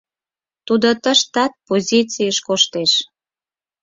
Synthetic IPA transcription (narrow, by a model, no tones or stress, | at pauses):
t̪ud̪ot̪əʃt̪ɑt̪̚pozʲit͡sijəʃkoʃt̪eʃ